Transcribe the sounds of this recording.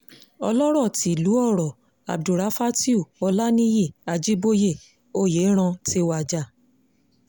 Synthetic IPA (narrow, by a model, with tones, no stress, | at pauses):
ɔ̰˧lɔ˦ɾɔ˦˨ti˨lu˨˦ɔ˦˨ɾɔ˨ | a̰˨b̚du˨ɾa˧˦fa˦ti˦u˦˨ɔ˧la˦nĩ˦je˦˨a˧d͡ʒi˦bo˦je˦˨ | o˦˨je˨˦ɾ̃ã˧te˧wa˨d͡ʒa˨